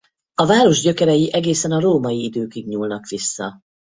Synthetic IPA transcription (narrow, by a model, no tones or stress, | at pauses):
ɒvaːɾo̞ʒɟø̞kɛɾɛjiʔɛɡeːsɛnɒɾoːmɒjiid̪øːkiɡɲuːlnɒkʋisːɒ̰